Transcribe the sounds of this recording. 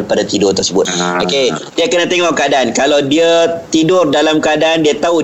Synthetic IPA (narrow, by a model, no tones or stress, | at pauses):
rpadat̪idʊrt̪ərsəbʊt̪̚okediəkənãt̪eŋɔʔkadaankalawdiat̪idʊrdalamkəadaandiat̪au